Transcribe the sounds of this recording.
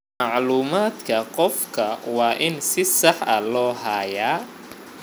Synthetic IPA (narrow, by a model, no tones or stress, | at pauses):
ɑʕluːmaːd̪kʰɐqɔfkʰɐwɑːʔɪnsɪsɑħʔɐlɔːɦɐːjaː